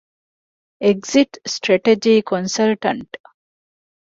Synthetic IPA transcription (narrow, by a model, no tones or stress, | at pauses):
eɡziʈsʈɾeʈed͡ʒiːkʰonsɐlʈɐɳʈ